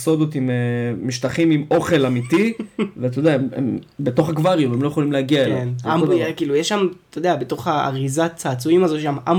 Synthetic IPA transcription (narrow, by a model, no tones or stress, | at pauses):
so̞d̪ot̪imemiʃtaχimimo̞χe̞lamitivet̪̬odeaemḛmbet̪o̞χaɡvaʁjumemlojeχolimleaɡiaelklenaoekiːlujeʃːamt̪odeabet̪o̞χaa̰ʁizat͡saːt͡suimazoʃamam